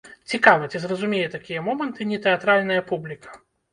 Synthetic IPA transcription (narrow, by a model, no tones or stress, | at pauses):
t͡sʲikavɐt͡sʲizrɐzumʲejɛt̪akʲijɐmɔmɐnt̪ɨnʲɛt̪ɨat̪ɾalʲnɐjɐpublʲikɐ̥